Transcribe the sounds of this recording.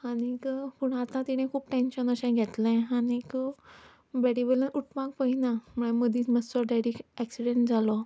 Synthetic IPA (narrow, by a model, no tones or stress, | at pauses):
aɽ̃ikpuɳ̃at̪ãt̪iɽ̃ẽkʰuːpʈenɕənəɕãɡʱɛt̪lẽanikə | bɛɽiʋelənuʈpak̚pəɦinam̤əɽ̃aməd̪iːməsɔɖaɽikɛksiɽeɳʈ̚d͡zʱalɔ